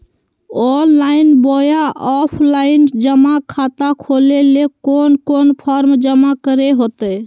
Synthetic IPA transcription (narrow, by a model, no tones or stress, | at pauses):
ɔnlainbojaɔpʰlaɪind͡ʒəmakʰat̪akʰolelekonkonpʰɔɾmd͡ʒəmakəɾeɦot̪ə